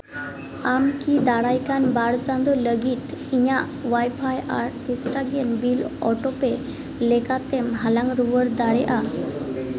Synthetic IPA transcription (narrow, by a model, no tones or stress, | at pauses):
amkid̪aɽajkanbaɽt͡sãnd̪ɔləɡiːt̪iɲa | ʋajfaja̰ɾʈpisʈaɡenbilɔʈope | lekat̪emɦalãŋɡɾuʋəɾd̪aɽɛʔa